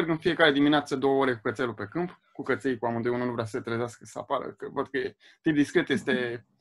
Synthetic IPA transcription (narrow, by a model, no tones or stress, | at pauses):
rɡɨnfije̞kaɾe̞d̪imineat̪səd̪o̞wəoɾe̞kukət̪selupe̞kɨmp | kukət̪sejkuamɨnd̪ujununuvɾeasət̪ɾəzeaskəsəa̰paɾə̰kəvat̪ukəe | t̪ip̚d̪iskɾe̞t̪je̞st̪e̞